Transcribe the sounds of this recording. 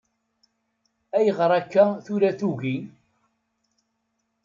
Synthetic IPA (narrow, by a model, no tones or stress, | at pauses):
æjəʁɾˤækːæθuɾæθuɣi